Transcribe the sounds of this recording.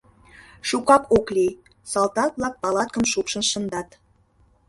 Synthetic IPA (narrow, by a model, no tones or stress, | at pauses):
ʃukɑpoklʲej | sɑlt̪ɑt̪̚blˠɑk̚pɑlˠɑt̪̚kɤ̆mʃupʃə̆nʃə̆nd̪ɑt̪